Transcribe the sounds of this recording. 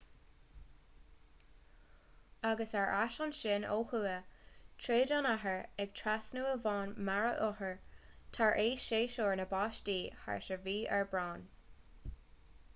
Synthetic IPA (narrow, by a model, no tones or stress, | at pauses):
aɡəsaɹʔaʃɔnʃɪno̰ːhuːətʰɹeːdɔnaɦəɹɛɡ̚tʰɹasnuːəvɑːnmaɹəʔɔhəɹt̪ʰaɹʔeːʃeːʃoːɹnəbɑːʃdiːha̰ɹʃəviːʔɛ̰ɹbɹɑːn